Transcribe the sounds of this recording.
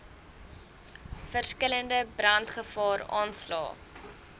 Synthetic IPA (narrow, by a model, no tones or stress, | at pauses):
fərskələndəbrɐntχəfɑːɾɑ̰ːnslɑ̰ː